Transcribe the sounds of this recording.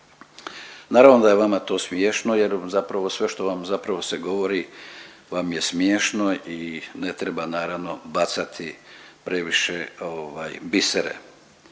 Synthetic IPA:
naːɾaʋnod̪ajeʋamat̪o̞ːsmjeːʃno̞je̞ɾzapɾaʋosʋe̞ʃt̪oʋamzapɾaʋo̞seɡo̞ʋo̞ɾiʋamje̞smjeːʃno̞ine̞t̪ɾebanaːɾaʋno̞bat̪sat̪ʰipɾe̞ʋiʃeoʋaːjbiseɾḛ

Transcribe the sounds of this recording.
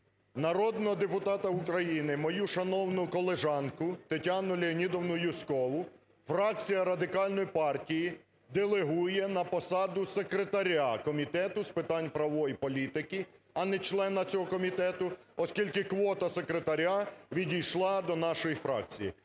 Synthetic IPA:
nɐɾɔd̪nɔɦɔd̪epʊt̪ɑt̪ɐukɾɐjinɪmɔjuʃɐnɔwnʊkɔlˠeʒɑnkʊt̪etʲanʊlʲeɔnʲid̪ɔwnʊjʊskɔʋʊ | fɾɑk̚t͡sʲijɐɾɐd̪ɪkɑlʲnɔjipɑrtʲiji | d̪elˠeɦujɛnɐpɔsɑd̪ʊsekɾet̪ɐɾʲakɔmʲit̪ɛt̪ʊspɪt̪ɑnʲpɾɐʋɔjipɔlʲit̪ɪkɪ | ɐnɛt͡ʃlˠɛnɐt͡sʲɔɦɔkɔmʲit̪ɛt̪ʊ | ɔskʲilʲkɪkʋɔt̪ɐsekɾet̪ɐɾʲaʋʲidʲijʃlˠɑd̪ɔnɑʃɔjifɾɑ̰k̚t͡sʲijḭ

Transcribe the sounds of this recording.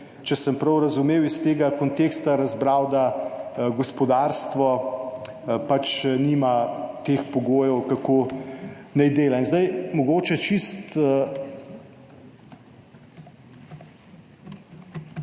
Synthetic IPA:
t͡ʃɛsəmpɾɐwɾɐzumeːwist̪eːɡakont̪eːkst̪aɾɐzbɾaːwd̪aɡɔspɔd̪aɾst̪ʋɔ | pat͡ʃniːmat̪eːxpɔɡoːjɛwkakoː | nɛjd̪eːlainzd̪ajmɔɡoːt͡ʃɛt͡ʃist̪ə

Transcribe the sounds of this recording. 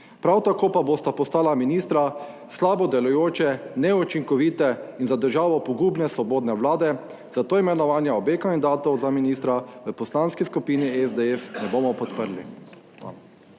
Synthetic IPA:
pɾawt̪akoːpabost̪apɔst̪aːlaminist̪ɾa | slaːbɔd̪ɛlɔjoːt͡ʃɛnɛut͡ʃiŋkɔʋiːt̪ɛinzad̪əɾʒaːʋɔpɔɡuːbnɛsʋɔboːd̪nɛʋlaːd̪ɛ | zat̪oːimɛnɔʋaːnjaɔbekand̪id̪aːt̪ɔwzaminiːst̪ɾaʋəpɔslanskiskupiːniɛzd̪ɛɛfnɛboːmɔpɔt̪pəɾli | a̰

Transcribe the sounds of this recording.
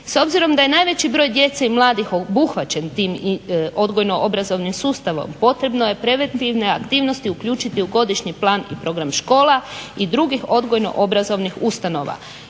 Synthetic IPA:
so̞bziɾo̞md̪aje̞naːjʋe̞t͡ɕibɾo̞ːjd̪je̞t̪seimlˠaːd̪ixobuxʋat͡ɕe̞nt̪iːmo̞d̪ɡo̞jno̞ʔo̞bɾazo̞ʋnimsuːst̪aʋo̞̰mpo̞t̪ɾe̞bno̞je̞pɾe̞ʋe̞nt̪iʋne̞akt̪iːʋno̞st̪iukʎuːt͡ʃit̪iuɡo̞d̪iʃɲiplˠaːnipɾo̞ɡɾamʃko̞ːlaid̪ɾuɡixo̞d̪ɡo̞jno̞̰ʔo̞bɾazo̞ʋnixust̪ano̞ːʋa̰

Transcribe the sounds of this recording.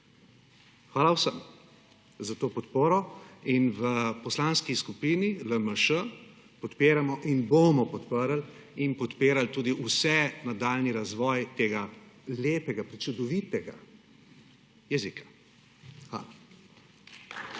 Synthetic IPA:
xʋaːlawsəm | zat̪oːpɔt̪poːɾɔinʋəpɔslanskiskupiːniləməʃə | pɔt̪peːɾamɔʔinbomɔpɔt̪pəɾal | inpɔt̪peːɾalt̪uːd̪iʔusɛnad̪aːlniɾazʋɔːjt̪eːɡaleːpɛɡapɾit͡ʃud̪ɔʋit̪ɛɡa̰ | jɛzikḁ | xʋa̰ːla

